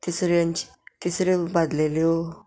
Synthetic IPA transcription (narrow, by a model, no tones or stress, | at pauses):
t̪isɾeaɲt͡ɕi̥ | t̪isɾebad̪leljo